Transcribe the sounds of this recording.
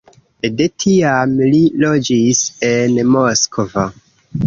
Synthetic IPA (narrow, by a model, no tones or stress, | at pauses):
detʰiamlilo̞d͡ʒise̞nmoskova